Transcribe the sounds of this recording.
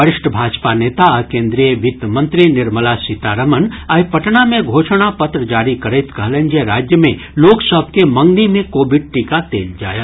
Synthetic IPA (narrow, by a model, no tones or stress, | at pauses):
əɾɪʃʈʰəbʱaːd͡ʒpaneːt̪aɐkẽːnd̪ɾijəʋɪt̪əmə̃nt̪ɾinɪɾməlasit̪aːɾəmənɐipɐʈnamẽɡʱoːʃɽ̃apɐt̪ɾəd͡ʒaːɾikɐɾeːt̪kəɦlə̃nd͡ʒeɾaːd͡ʒjəmḛ̃ | loːksəbʱkemɐ̃ŋɡnimẽkoːbɪɖ̚ʈiːkat̪eːld͡ʒa̰ːjaː